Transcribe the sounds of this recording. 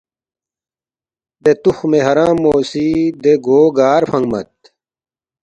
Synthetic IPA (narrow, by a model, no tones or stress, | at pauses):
d̪et̪uxmeɦɐɾãːmːoːsid̪eɡoːɡaːɾfʰɐŋɡmɐ̰t̪̚